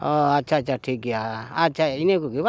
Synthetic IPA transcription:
ɔat͡ʃat͡ʃaʈʰik̬iaat͡ʃainekukiwa

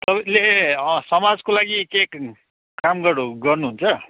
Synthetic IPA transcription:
t̪ʌpalesʌmad͡zkolaɡikek | kamɡʌruɡʌrnuɦunt͡sʰʌ

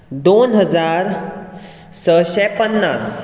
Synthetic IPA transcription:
d̪onɦəd͡zaɾ | səɕɛpənːas

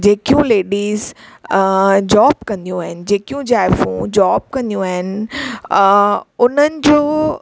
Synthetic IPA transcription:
d͡ʑeːkijũleːɖiːz | d͡ʑɔːbkɐ̃nd̪ijũaːɦɪnɪ̆d͡ʑeːkijũd͡ʑaːɪfṵ̃d͡ʑaːb̚kɐ̃nd̪ijũaːɦɪnɪ̆ | ʊn̤ənɪ̆d͡ʑoː

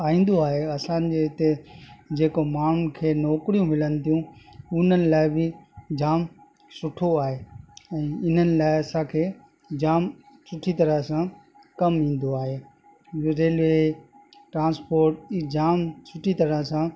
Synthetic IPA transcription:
aːʋĩːn̆d̪oaːɦeɐsãːnd͡ʑeɪt̪ed͡ʑeːkomaːɳ̤ʊnkʰeːnɔːkɾijũmɪlənɪ̆t̪ʰijũʊn̤ənɪ̆laːɪbɪd͡ʑaːm | sʊʈʰoaːɦeːɛ̃ːɪn̤ənɪ̆laːɪɐsãkʰeː | d͡ʑaːm | sʰʊʈʰit̪ɐɾəɦsã | kɐmĩːn̆d̪oaːɦeː | ɾeːlʋe | ʈɾãːnspoːɾʈːd͡ʑaːmsʰʊʈʰit̪ɐɾəɦsã

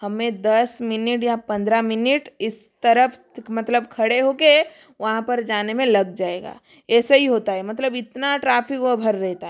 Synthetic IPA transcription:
hɐmẽd̪ɐsmɪnɪʈjapɐ̃nd̪ɾamɪnɪʈɪst̪ɐɾəpʰ | mɐt̪ləb̚kʰɐɽeɦoːke | ʋɐɦãpɐɾd͡ʒaːnemẽlɐɡ̚d͡ʒaːeːɡa̰ː | ɛːsɐɦiɦoːt̪aɦɛmɐt̪ləbɪt̪naʈɾaːpʰɪkʋobʱɐɾːɛɦt̪aɦɛ

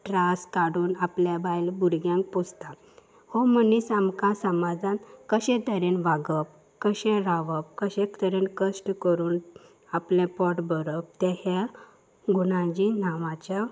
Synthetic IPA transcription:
ʈɾaskaɽuːnapljabajlbuɾɡjãŋk̚post̪a | hɔmənisamkãsəmad͡zãnkəɕɛ̃t̪əɾenʋaɡəp | kəɕɛ̃ɾaʋəp̚kəɕẽkt̪əɾenkəsʈkəɾuːn | aplẽpɔʈbəɾəp̚t̪ɛɦa | ɡunãd͡ʑinaʋãt͡ɕa

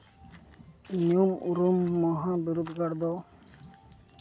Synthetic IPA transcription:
nijumṵɾumːɔɦãbiɾud̪ɡaɽd̪ɔ

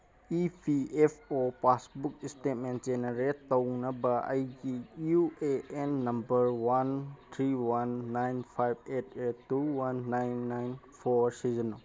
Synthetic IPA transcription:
ipʰiepʰopasbuk̚istet̚menzeneɾetːownɐbɐɐ̰jɡijueenːɐmbɐɾwant̪ʰɾiwanːajnpʰajb̚et̚ʰetːuwanːajnːajn | pʰoɾsizɐno

